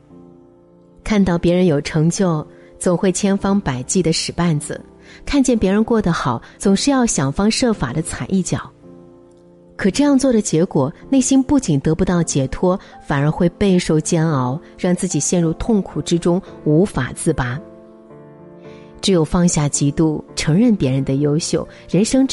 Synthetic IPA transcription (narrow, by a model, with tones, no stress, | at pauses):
kʰa˥˧nt̪ɑ˥˩ʊpjɛ˧˥ɻə˧˥njo˨˩ʊʈ͡ʂʰɤ˧˥ŋt͡ɕjo˥˩ʊ | t͡sʊ˨˩ŋxwe˥˩ɪt͡ɕʰjɛ˥nfɑ˥ŋpa˨˩ɪt͡ɕi˥˩d̪ə˩ʂɻ̩˨˩pa˥˩nd͡zɹ̩̰˨˩ | kʰa˥˧nt͡ɕjɛ˥˩npjɛ˧˥ɻə˧˥nkwɔ˥˩d̪ə˩xɑ˨˩˦ʊt͡sʊ˨˩ŋʂɻ̩˥˧jɑ˥˩ʊɕjɑ˨˩ŋfɑ˥ŋʂɤ˥˩fa̰˨˩d̪ə˦t͡sʰa˨˩ɪʔi˥˩t͡ɕjɑ̰˨˩˦ʊ | kʰɤ˨˩ʈ͡ʂɤ˥˧jɑ˥˧ŋt͡swɔ˥˩ɾə˩t͡ɕjɛ˧˥kwɔ˨˩˦ne˥˩ɪɕi˥npu˥˩t͡ɕi˨˩nt̪ɤ˧˥pu˧t̪ɑ˥˩ʊt͡ɕjɛ˨˩t̪ʰwɔ˥fa˨˩nə˞˧˥xwe˥˧ɪpe˥˧ɪʂo˥˩ʊt͡ɕjɛ˥nɑ˧˥ʊ | ɻɑ˥˧ŋt͡sɹ̩˥˩t͡ɕi˨˩ɕjɛ˥˧nɻu˥˧t̪ʰʊ˥˩ŋkʰu˨˩ʈ͡ʂɻ̩˥ʈ͡ʂʊ˥ŋu˧˥fa̰˨˩t͡sɹ̩˥˩pa˥ | ʈ͡ʂɻ̩˧˥jo˨˩ʊfɑ˥˧ŋɕja˥˩t͡ɕi˧˥t̪u˥˩ʈ͡ʂʰɤ˧˥ŋɻə˥˩npjɛ˧˥ɻə˧˥nd̪ə˧jo˥ʊɕjo˥˩ʊɻə˧˥nʂɤ˥ŋ